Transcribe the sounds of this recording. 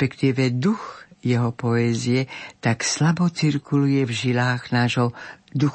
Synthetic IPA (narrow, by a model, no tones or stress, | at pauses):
pɛkt̪iːʋɛd̪uxjɛɦɔpɔɛːziɛt̪akslabɔt͡siɾkulujɛvʒilaːɣnaːʒɦɔd̪u